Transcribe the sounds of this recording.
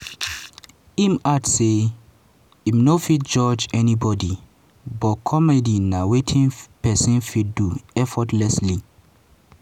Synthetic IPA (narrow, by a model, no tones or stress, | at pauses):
imatse | imnofit̚d͡ʒɔd͡ʒɛnibɔdi | bɔtkʰɔmɛdinawetʰĩnpɛsĩnfidduɛfɔtlɛsli